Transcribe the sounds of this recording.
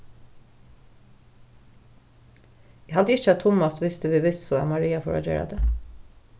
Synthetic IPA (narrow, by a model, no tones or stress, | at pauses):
jæhɑd̪əɪçəæt̪ʰʊmɑt̪ʋɪst̪əʋiːʋɪst̪soːæ̰ːmɑɾiːɑfɔɹo̰ːd͡ʒø̰ːɹʔɑ̰d̪eː